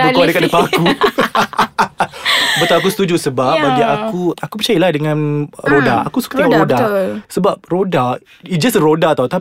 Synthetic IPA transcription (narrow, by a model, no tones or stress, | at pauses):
kaadəkat̪̚dəpaaku | bət̪aak̬usə̥t̪ud͡ʒusəbap̚baɡiʔakuakupət͡ʃajiladəŋãnɾodaa̰kusu̥kḁt̪əŋaʔɾodasəbap̚roda | id͡ʒasəɾodat̪awt̪a